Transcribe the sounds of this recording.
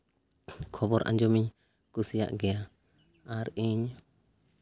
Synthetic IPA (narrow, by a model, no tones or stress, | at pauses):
kʰɔbɔɾʔã̰ɲd͡ʒɔmiɲ | kusija̰ʔɡɛja | aɾiɲ